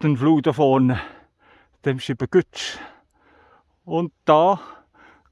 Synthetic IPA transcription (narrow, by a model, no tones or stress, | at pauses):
ənfluːt̪əfoːnə | d̪̥ɛmɕɪpəkʉt̪s | ɔnd̪̥ɑː